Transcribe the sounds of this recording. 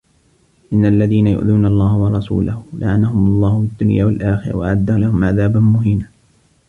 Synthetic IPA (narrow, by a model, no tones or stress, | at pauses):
ʔɪnːaʔlːaðiːnajʊ̰ʔðuːnalˤːɑːhwɑɾˤɑsṵːlahʊlʔa̰ʕanahʊmlˤːɑːhʊfɪd̪ːʊnjaːwalʔaːxɪɾɑ̰waʕad̪ːalahʊmʕaðaːbanmʊɦiːna